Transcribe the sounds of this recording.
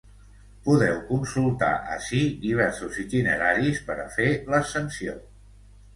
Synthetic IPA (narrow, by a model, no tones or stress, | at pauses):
puðɛwkunsulˠt̪a̰ʔə̰ʃiðiβ̞ɛɾsuzit̪inə̰ɾaɾispəɾəfeləsənsio̰